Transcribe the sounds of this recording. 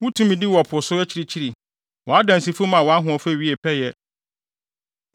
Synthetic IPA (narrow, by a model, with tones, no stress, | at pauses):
wʊ̃˦tʰũ˦mĩ˨di˦wɔ˨pʰʊ˨sʊ˦ɛ˦t͡ɕʰi˨ɾi˨t͡ɕʰi˦ɾi˨ | wɔ˨a˦dã˨n˨si˨fu˦mã˨wɔ˨a˦ɦʊ̃˨ɔ˨fɥi˦e˨pʰɛ˦jɛ˦